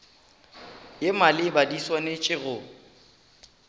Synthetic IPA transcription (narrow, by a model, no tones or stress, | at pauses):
jemalɪbadiswanet͡ʃʼɪɣʊ